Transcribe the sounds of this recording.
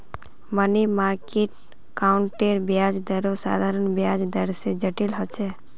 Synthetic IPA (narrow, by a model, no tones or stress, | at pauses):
mənimaːɾkeʈ̚ | kaʊɳʈeɾbjad͡ʒd̪əɾosa̰ːd̪ʱaɾənbjad͡ʒd̪əɾsed͡ʒəʈilɦɔt͡ʃʰe